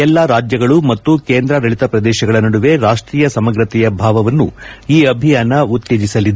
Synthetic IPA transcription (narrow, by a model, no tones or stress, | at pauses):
ɛlːaɾaːd͡ʒjɐɡɐɭumɐt̪ːukeːnd̪ɾɐɾɐɭit̪ɐpɾɐd̪ɛːʃɐɡɐɭɐnɐɽuʋe̞ɾaːʂʈɾiːjɐsɐmɐɡɾɐt̪ɛjɐbʱaːʋɐʋɐnːṵiːɐbʱijaːnɐut̪ːeːd͡ʒisɐlid̪e